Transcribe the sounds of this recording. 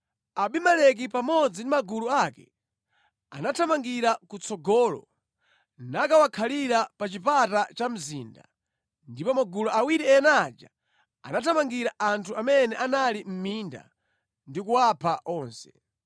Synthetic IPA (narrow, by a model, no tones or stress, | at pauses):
aɓimalɛk̬ipamɔd͡zindimaɡuluakɛ̰ | a̰natʰamaŋɡiɾakut͡sʰɔɡɔːlɔ̰ | nakawakʰaliɾapat͡ʃipatat͡ʃam̩zḭːnda | ndipɔmaɡulɔʔawiɾiɛnad͡ʒa̰ | a̰natʰamaŋɡiɾaʔantʰuamɛnɛʔanalim̩minda̰ | ndikuwapʰaʔɔːnsɛ